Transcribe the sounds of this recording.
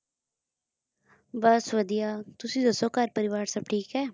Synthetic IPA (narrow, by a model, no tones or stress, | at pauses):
bəsʋəd̪ijaːt̪ʊsĩːd̪əsoːkəɾpəɾɪʋaːɾsəb̚ʈʰiːkɦɛː